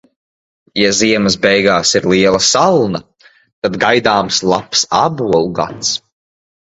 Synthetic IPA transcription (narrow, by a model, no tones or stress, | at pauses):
jaziɛməs̬bɛjɡaːsiɾliɛlˠɐsalˠnɐ | t̪ad̪ɡajd̪aːmslˠapsabuɔlˠɡa̰t̪s